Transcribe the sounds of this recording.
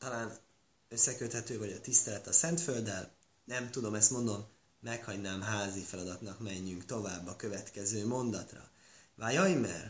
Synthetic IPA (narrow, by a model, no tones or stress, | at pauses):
t̪ɒlaːn | ø̞sːɛkøt̪hɛt̪øːvɒɟɒt̪ist̪ɛlɛt̪ɒsɛnt̪føld̪ɛl | nɛmt̪ud̪o̞mɛst̪mo̞nd̪o̞mː | ɛkhɒɟnaːmɦaːzifɛlɒd̪ɒt̪nɒkmɛɲːyŋkt̪o̞vaːbːɒkø̞vɛt̪kɛzøːmo̞nd̪ɒt̪rɒ̰vajɒjmɛ̰r